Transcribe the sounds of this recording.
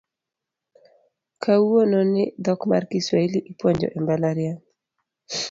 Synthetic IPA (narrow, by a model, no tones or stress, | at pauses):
kʰaononɪd̪ɔkma̰rkiswailiʔipwoɲd͡ʒɔ̰ʔɛmbalaɾɪa